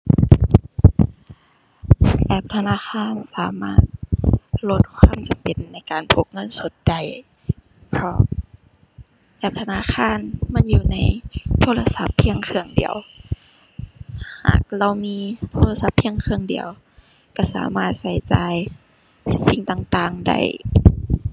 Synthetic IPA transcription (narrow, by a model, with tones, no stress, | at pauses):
bɛː˧˩p̚t̪ʰa˧naː˧˥˨xʰaː˧˥˨nsaː˨˦maː˧˥˩t̪̚lo˧˦t̪̚kʰwaː˧˥˨mt͡ɕa˨mpe˨nːa˧˩jkaː˨npʰo˧˦p̚ŋɤ˧˥˨nso˨˦t̪̚t͡ɕa˨˩j | pʰɔ˧˩ | bɛː˧˩p̚t̪ʰa˧naː˧˥˨xʰaː˧˥˨nma˧˥˨njuː˧na˧˥jt̪ʰoː˧˥˨la˧sa˧˦pʰːi˧əŋkʰɯ˧˩əŋdḭ˨əw | ha̰ː˨˩k̚la˧˩˨wmiː˧˥˨t̪ʰoː˧˥la˧sa˧˦pʰːi˧˥əŋkʰɯ˧əŋdḭ˨əw | ka˧˩sa̰ː˨˦maː˧˩t̪̚sa˧˩˦jt͡ɕaː˨j | si˧˦ŋt̪aː˧˨ŋt̪aː˧˨ŋda̰˧˩j